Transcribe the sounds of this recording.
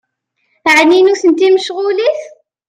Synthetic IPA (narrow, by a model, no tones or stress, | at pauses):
ʕninuθənt̪iməʃʁʊliθ